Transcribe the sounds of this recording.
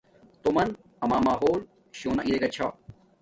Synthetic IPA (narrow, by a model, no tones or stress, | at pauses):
t̪omɐn | ɐmaːmaːɦoːl | ɕoːnaʔiɾeɡɐt͡ɕʰa̰ː